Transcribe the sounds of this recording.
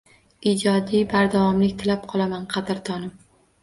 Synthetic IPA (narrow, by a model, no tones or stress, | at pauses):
ɪd͡ʒɒd̪ibaɾd̪avɒmlɪkʲt̪ʰɪlap̚qʰɒlˠamanqʰɑd̪ɪɾt̪ʰɒnɪm